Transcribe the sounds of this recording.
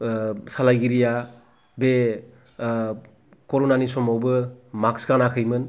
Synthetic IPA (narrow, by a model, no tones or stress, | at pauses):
salajɡiɾija | be | kɔɾonanisɔmawbɯmaksɡanakʰɯjmɯn